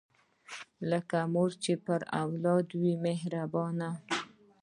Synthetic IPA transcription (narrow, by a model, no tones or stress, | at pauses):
ləkamoɾt͡ʃepəɾa̰wlɑd̪wimeɦɾabɑna